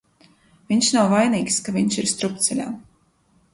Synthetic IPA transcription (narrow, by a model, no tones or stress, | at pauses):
vʲiɲʃnawvajniːkskavʲiɲʃiɾst̪ɾup̚t̪sɛlʲa̰ː